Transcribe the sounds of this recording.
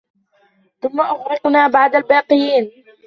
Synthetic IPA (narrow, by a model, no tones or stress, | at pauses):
θʊmːaʔʊxɾɪqnaːbaʕd̪albɑːqɨjiːn